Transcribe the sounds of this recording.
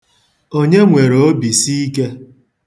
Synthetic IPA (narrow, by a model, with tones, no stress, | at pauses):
o˦ɲe˦ŋʷe˨ɾo˨o˦bi˨si˦i˦ke˦